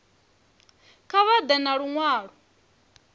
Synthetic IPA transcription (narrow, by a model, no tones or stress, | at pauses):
kʰaβad̪ɛnaɺuŋwaːɺu